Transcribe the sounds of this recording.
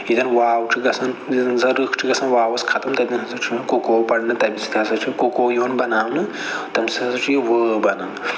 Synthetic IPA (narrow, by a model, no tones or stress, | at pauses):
id̪ɐnʋaːwt͡ʃʰiɡɐsɐnzɐɾɨkʰt͡ʃʰiɡɐsɐnʋaːwɐskʰɐt̪ɐmt̪ɐd̪inɦɐzɐt͡ʃʰijonkokoːwpɐɽnɨt̪ɐbʲisi̥t̪ʰɐɦɐsɐt͡ʃʰikokoːjoːnbɐnaːwnɨ | t̪ɐmsɐɐzɐt͡ʃʰijeʋəːbɐnɐnɨ